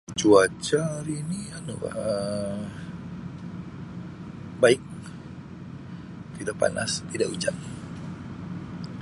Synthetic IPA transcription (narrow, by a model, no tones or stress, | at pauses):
t͡ʃuat͡ʃaɾinianuba̰ə | baɪk̚ | t̪idaʔpa̰na̰st̪idaʔud͡ʒaʔ̚